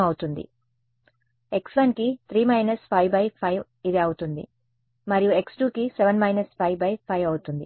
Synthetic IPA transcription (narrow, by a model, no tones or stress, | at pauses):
ɐwut̪und̪ḭ | eksʋɐnkit̪ʰɾiːmɐjnɐspʰɐjʋbɐjpʰɐjʋ | id̪eːɐwut̪und̪ḭ | mɐɾijueksʈuːkiseʋɐnmɐjnɐspʰɐjbɐjpʰɐjʋɐwut̪und̪ḭ